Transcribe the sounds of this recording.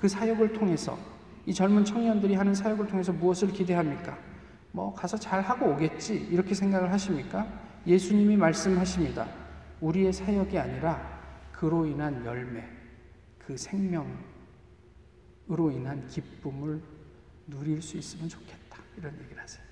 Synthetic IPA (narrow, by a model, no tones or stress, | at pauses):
kɯsʰajʌɡɯɭtʰoŋe̞sʰʌ̰ | it͡ɕʌɭmunt͡ɕʰʌŋɲʌndɯɾiɦanɯnsʰajʌɡɯɭtʰoŋe̞sʰʌmuʌsʰɯɭkide̞ɦamɲik͈a | mʌkasʰʌt͡ɕaɭhaɡoːɡe̞t̚t͡ɕ͈iiɾʌkʰe̞sʰe̞ŋɡaɡɯɭɦaɕʰimɲik͈a | je̞sʰuɲimimaɭs͈ɯmɦaɕʰimɲida̰uɾie̞sʰajʌɡiaɲiɾakɯɾoinɦanjʌ̰ɭme̞ | kɯsʰe̞ŋmjʌŋ | ɾoinɦankip͈̚umɯɭ | nuɾiɭs͈uis͈ɯmɯnt͡ɕo̥kʰe̞̥t̚t͈ḁiɾʌnje̞ɡiɾɯhasʰe̥j